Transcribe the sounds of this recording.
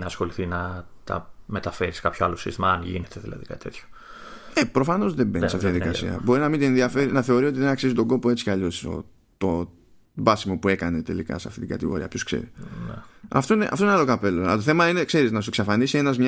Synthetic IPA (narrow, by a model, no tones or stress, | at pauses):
nɐːsxo̞liθinɐ | t̪ɐ̰met̪ɐfe̞ɾiskɐpçoalosḭst̪imɐɐnʝḭnet̪eðilɐ̰ðḭkɐt̪i̥t̪et̪ço̥ | epɾo̞fano̞zðebeniseaft̪ijɐðikɐsḭɐ̰bo̞ɾinɐmind̪ienðiɐfeɾinɐθe̞o̞ɾio̞t̪iðenɐksizit̪o̞ɡo̞poe̞t͡si̥kaʎo̞so̰ | t̪o | bɐsimo̞pue̞kɐne̞t̪e̞̰likɐ̰seɐft̪it̪iɡɐ̰t̪iɣo̰ḭɐpço̞sksḛɾḭnḛɐ̰ft̪o̞ineʔa̰ft̪oinalokape̞loɐt̪oθe̞mɐinekse̞ɾiznɐs̬ueksɐfanisie̞nɐzmɲ